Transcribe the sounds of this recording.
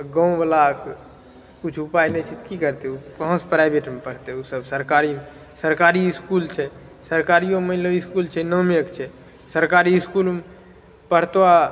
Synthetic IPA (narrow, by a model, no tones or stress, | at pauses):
ɡə̃ũbəlak | kut͡ʃʰupajnɛt͡ʃʰit̪kikəɾt̪ɛukəɦõspɾajbʱeʈmepəɽ̤t̪ɛusəbsəɾkaɾime | səɾkaɾiskult͡ʃʰɛ | səɾkaɾijomələiskult͡ʃʰɛnəmjəkt͡ʃʰɛ | səɾkaɾiɪskulm | pəɽ̤t̪ʋa